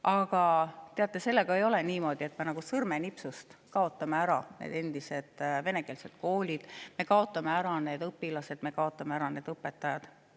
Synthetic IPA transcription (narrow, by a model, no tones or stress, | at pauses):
ʔɑɡ̥ɑt̪e̞ɑt̪ˑːe̞se̞lːe̞ɡ̥ɑejo̞leniːmo̞ːd̪̥ie̞t̪me̞nɑɡ̥usɤrme̞nipsust̪kɑo̞t̪ːˑɑmeæɾɑnḛːd̪e̞nd̪̥ise̞d̪̥ve̞ne̞ke̞ːlse̞t̪ko̞ːlʲid̪̥me̞kɑo̞t̪ːˑɑme̞æɾɑne̞ːd̪ɤpːilɑse̞d̪me̞kɑo̞t̪ːˑɑmeæɾɑne̞ːd̪̥ɤpːe̞t̪ːˑɑjɑd̪̥